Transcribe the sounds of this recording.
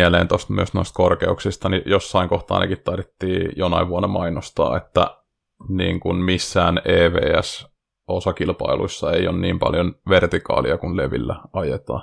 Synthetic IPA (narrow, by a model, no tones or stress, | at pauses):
æleːnt̪ost̪myøsnoist̪korkeuksist̪ɑnijosːɑiŋkoht̪ɑ̰ːnḛkit̪tɑrʋit̪ːiːjonɑiʋʋuonːɑmɑinost̪ɑ̰ːet̪ːæ̰ | niːŋkunmisːæːneːʋḛːæs | ʔosɑkilpɑiluisːɑeionniːmpɑ̰ljonʋert̪ikɑ̰ːliɑkunleʋḭlːæɑjet̪ɑ̰ː